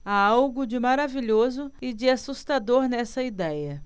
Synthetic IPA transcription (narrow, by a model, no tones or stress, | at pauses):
aawɡʊd͡ʒɪmaɾaviʎozʊɪd͡ʒɪasust̪ad̪oɾnɛsɐid̪ɛjɐ